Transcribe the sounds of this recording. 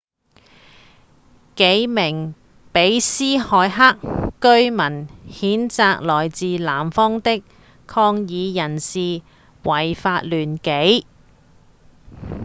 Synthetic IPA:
ke˨˥jmɪ˨˩ŋ | pe˨˥jsiː˥hɔː˨˧jɦaː˥kːɵ˥ɥmɐ˨˩nhiː˨˥nt͡saː˧k̚lɔː˨˩jt͡siː˨laː˨˩mfɔː˥ŋt̪ɪ˥k | kʰɔː˧ŋjiː˨˧jɐ˨˩nsiː˨ | wɐ˨˩jfaː˧t̚lyː˨˩nke˨˥j

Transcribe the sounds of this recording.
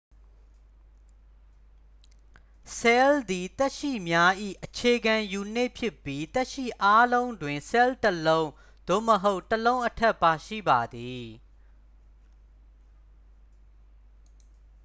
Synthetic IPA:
sɛ˦ld̪i˨t̪ɛ˦ʔʃḭ˦˨mja˦ʔḭ˦˨ʔət͡ɕʰe˨ɡã˨ju˨n̥e˦˨pʰjɪ˦pːji˦t̪ɛ˦ʔʃḭ˦˨ʔa˦lõ˦ʊ̃ndwɪ̃˨nsɛ˦ltəlõ˦ʊ̃ | d̪̥o̰˦˨məɦo˦ʊʔtəlõ˦ʊ̃ʔətʰɛ˦ʔpa˨ʃḭ˦˨ba˨d̪i˨

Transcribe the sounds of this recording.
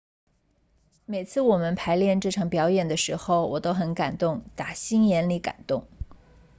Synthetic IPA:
me˨˩ɪt͡sʰɹ̩˥˩wɔ˨˩mə˦npʰa˧˥ɪljɛ˥˧nʈ͡ʂɤ˥˩ʈ͡ʂʰɑ˨˥ŋpjɑ˧˥ʊjɛ˨˩nd̪ə˦ʂɻ̩˧˥xo˧ʊwɔ˨˩t̪o˥ʊxə˧˥nka̰˨˩nt̪ʊ˥˩ŋt̪a˨˩ɕi˥njɛ˧˥nli˧˥ka̰˨˩nt̪ʊ˥˩ŋ

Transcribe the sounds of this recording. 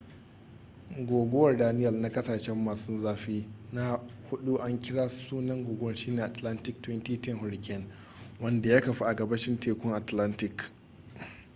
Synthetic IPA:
ɡʷoː˨ɡʷo˦wɐ˨rdaː˦nɪ˦jɐ˨lna˦kʼɐ˦saː˨ʃɛ˦mːaː˨sʊ˦nzaː˦ɸiː˦na˦hʊ˦ɗu˦ʔa˦ŋkʲɪ˦ɽaː˦suː˦nɐ˦ŋɡʷoː˨ɡʷo˦wɐ˨rʃiː˦neː˨ʔa˨tla˦ntɪ˦k̚twɛ˦ntiː˦tɪ˦ŋhʊ˨ɽɪ˨kʲɛ˦n | wɐ˦nda˨ja˦kɐ˨ɸi˦ʔa˨ɡɐ˨bɐ˦ʃɪ˦ntʰeː˨kʷʊ˦ŋʔa˨tla˦ntɪ˨k

